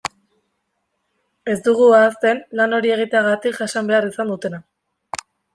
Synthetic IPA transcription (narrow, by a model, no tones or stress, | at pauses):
e̞zd̪uɣ̞uaːst̪e̞nlano̞ɾie̞ɣ̞it̪eaɣat̪ikʝasambe̞arisand̪ut̪e̞na